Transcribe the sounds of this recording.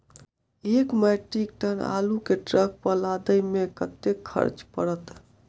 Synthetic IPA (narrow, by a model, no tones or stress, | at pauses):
ekmɛʈɾik̚ʈʰəna̰lukeʈɾək̚pəlad̪əjmekət̪ekʰːə̰ɾt͡ʃpəɽət̪